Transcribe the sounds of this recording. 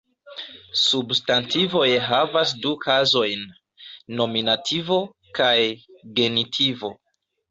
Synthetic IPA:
substantʰivo̞jɦavas̬dukʰazo̞jnː | o̞minatʰivo̞ | kajɡe̞nitʰivo̞

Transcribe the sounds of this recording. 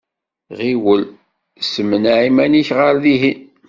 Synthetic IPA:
ʁiwəl | səmːənʕimæniçʁəɾðiɦi

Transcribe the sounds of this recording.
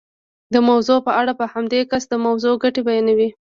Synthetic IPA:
d̪əmawzopəaɽapəhamd̪ekasd̪əmawzoɡaʈebajenawi

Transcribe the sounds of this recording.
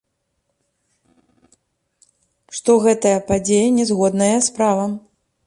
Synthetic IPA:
ʂt̪ɔɣɛt̪ɐjɐpad͡zʲejɐnʲɛzɣɔd̪nɐjɐspɾavɐm

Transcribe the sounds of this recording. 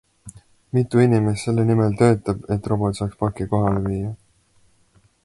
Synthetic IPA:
mit̪ːˑuinimesse̞lːenimelt̪ø̞ːt̪ːˑɑb̥e̞t̪ːˑro̞bo̞t̪sɑːkspɑkːiko̞ɦɑleviːjɑ

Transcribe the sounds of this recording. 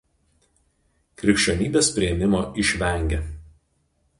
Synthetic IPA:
kɾʲɪkʃʲt͡ʃʲonʲiːbʲeːspʲɾʲɪɛmʲɪmoːɪʃʲʋʲɛˑŋʲɡʲe

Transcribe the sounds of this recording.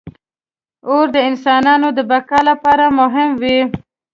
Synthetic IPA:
oɾd̪əɪnsɑnɑnod̪əbakɑlapɑɾamʊɦɪmwi

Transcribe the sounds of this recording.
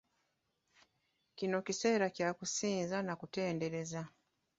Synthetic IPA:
kino̞kise̞ːɾacjakusiːnzanakute̞ːnde̞ɾe̞za

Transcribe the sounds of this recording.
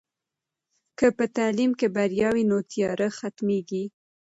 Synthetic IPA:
kəpət̪alimkebaɾjɑwinot̪ijɑɾəxat̪meɡi

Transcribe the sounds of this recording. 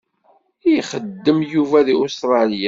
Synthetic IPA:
jχəd̪ːəmjuvæðiost̪ɾˤɑljæ

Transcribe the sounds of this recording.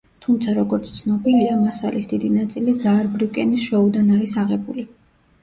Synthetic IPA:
t̪ʰumt̪sʰaɾɔɡɔɾt̪sʰt̪sʰnɔbiliamasa̰lisd̪id̪inat̪sʼilizaɾbɾiwkʼɛnisʃɔud̪anaɾisaʁɛbuli

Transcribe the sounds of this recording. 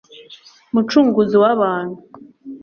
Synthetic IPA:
mut͡ʃuːŋɡuziwaβaːn̤̥hu

